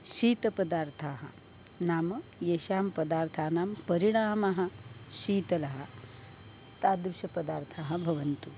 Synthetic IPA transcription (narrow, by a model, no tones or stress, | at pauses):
ʃiːt̪ɐpɐd̪aːɾt̪ʰaːɦɐ̰ | naːmɐjeːʃaːmpɐd̪aːɾt̪ʰaːnaːmpɐɾiɽ̃aːmɐɦɐ̆ʃiːt̪ɐlɐɦɐ̰ | t̪aːd̪ɾuʃɐpɐd̪aːɾt̪ʰaːɦɐ̆bʱɐʋɐnt̪u